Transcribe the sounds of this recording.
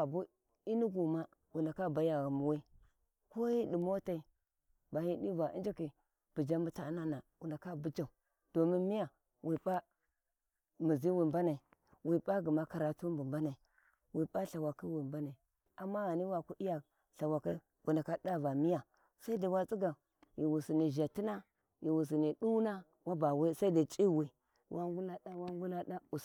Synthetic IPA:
a˨bu˦ | i˦ni˦ɡu˨ma˦ | wu˨na˨ka˦ba˨ja˨ɣa˨mu˨wi˦ | ko˦ji˦di˨mo˦ta˦i˨ | ba˨hi˦di˦va˨ḭ˦nd͡ʒa˦ki˨ | b̥i˨d͡ʒa˦mbu˦ta˨˦na˦na˨wu˨nda˨ka˦bu˦d͡ʒa˨u˨ | d̥o˨mi˦nmi˦ja˨ | wi˨ba˦ | mi˨zi˦wi˨mba˦na˨i˨ | wi˨ba˦ɡi˨ma˦ka˨ɾa˨tu˦mbu˨mba˦na˨i˨ | wi˨pa˦ɬa˨wa˨ki˦wi˨mba˦na˨i˨ | a˨mːa˦ɣa˨ni˦wa˨ku˦ʔi˦ja˨ | ɬa˨wa˨ka˦ | ɡu˨nda˨ka˦da˦va˨mi˦ja˨ | sa˦i˦da˨wa˦t͡sʼi˦ɡa˨ | ji˨wu˨si˨ni˨ʒa˨ti˦na˦ | ji˨wu˨s̬i˨ni˨ɗu˦na˦ | wa˦ba˨we˦sa˦i˦da˨t͡ʃʼi˦wi˨ | wʔa˦ŋɡu˦na˦ɗa˦wa˦ŋɡu˦na˦da˦u˨

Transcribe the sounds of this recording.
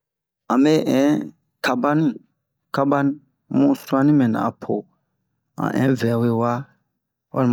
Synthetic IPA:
ã˨me˦ʔɛ̃˨˦ | kʰa˧ba˦nĩ˦ | ka˦ba˦nĩ˦ | mũ˦su˦a˦nĩ˦mɛ̃˨nã̰˨pʰo˨ | ã̰˨ʔɛ̰̃˨˦vɛ˨we˦wa˦ | wa̰˦l

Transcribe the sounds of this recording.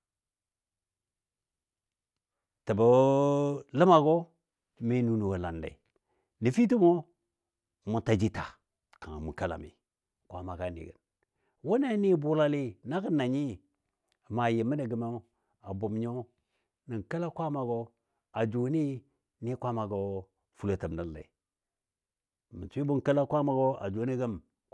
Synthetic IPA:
tə˨ba˨˦lə˦ma˨ɡo˦ | mi˦nu˦nu˨wo˨la̰˨nda̰˨i˨ | ni˨fi˦t̬i˦mo˦˨ | mu˨ta˨d͡ʒi˦ta˨ | ka˨ŋa̰˨mu˨ka˦la̰˨mḭ˨ | kʷa̰˦ma˨ka˨nḭ˨ɡə̰˨n | wo˦na˦ni˦˨bu˦la˦li˦na˦ɡə˦nːa˨ɲi˦˨ | ma˨ji˨mːi˦da˨ɡə˨mo˦ | a˨bo˨mɲo˦ | ni˨ŋka˦la˦kʷa˦ma˨ɡo˦ | a˨d͡ʒo˨˦ni˦ | ni˦kʷa˦ma˨ɡo˨ | fu˦lo˨˦tə˨mda˦lːa̰˨i˨ | mi˨t͡ʃi˦bu˦nka˦la˦kʷa˦ma˨ɡo˦a̰˨d͡ʒo˨ni˦ɡə˦m

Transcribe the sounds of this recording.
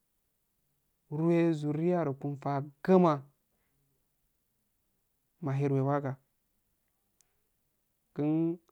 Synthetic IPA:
ɾu˦e˦zu˨ɾi˦ja˦ɾo˨ku˨nfa˨ɡa˦ma˨ | ma˨ɦi˦ɾwe˨wa˦ɡa˨ | ki˦n

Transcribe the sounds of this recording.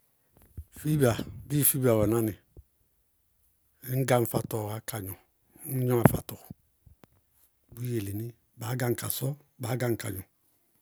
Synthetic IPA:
fi˦ba˨bi˦˨fi˦ba˨wɛ˨na˦ni˨˦ | ŋ̩˦ɡa˦m̩˦fa˨tɔ˨a˦ka˨ɲɔ˨˦ | n̩˦ɲɔ˦a˨fa̰˨tɔ˨ | bu˦je˨le˨ni˦ | ba˨˦ɡa˦˨ŋ̩˨ka˨sɔ˦ | ba˨˦ɡa˦ŋ̩˨ka˨ɲɔ˨

